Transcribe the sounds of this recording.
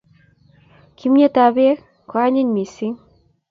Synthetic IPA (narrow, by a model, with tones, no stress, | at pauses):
kʰi˨˦mɲe˦ta˨βe˦ | kwa˦ɲi˦ɲmi˨si˦ŋ